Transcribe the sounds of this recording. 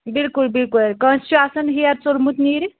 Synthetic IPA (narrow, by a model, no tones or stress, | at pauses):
bilkulbilkuleɾkɐnst͡ʃuasɐnɦijɐɾt͡solmut̪niɾ